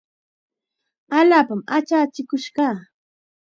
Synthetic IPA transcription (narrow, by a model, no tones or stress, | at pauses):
aʎaːpamat͡ʃaːt͡ʃɪkʊʃɢɑː